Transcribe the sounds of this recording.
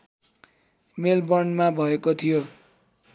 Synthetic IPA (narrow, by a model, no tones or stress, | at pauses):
melbʌnmabʱʌekot̪ʰijo